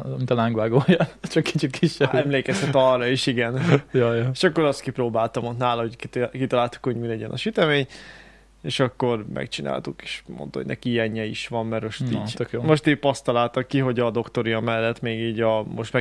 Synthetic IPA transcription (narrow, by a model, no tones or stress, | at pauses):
mit̪ɒlaŋɡʋaːɡojjat͡ʃɒkːʰit͡ʃit̪kʰiʃɛbɛmleːkɛsɛt̪ːɒrːɒiʃiɡɛnjɒjeʃɒkːo̞ɾɒst̪kiproːbaːlt̪ɒmot̪naːlɒɦockit̪ɒlaːlt̪u̥khoɟmilɛɟɛnʔɒ̰ʃyt̪ɛmeːɲ | eːʃɒkːo̞rmɛ̰kt͡ʃina̰ːlt̪uke̥ːʃmo̰nt̪o̰ɟnɛ̰kiɛɲːɛiʃʋɒmmɛɾmo̞ʃt̪ḭːɟt̪økjoːmo̞ʃt̪iːcpɒst̪ɒlaːlt̪ɒkːiɦo̞ɟɒd̪o̞kt̪o̞ɾijɒmɛlːɛt̪meːɡiːɟɒmoʃt̪mɛ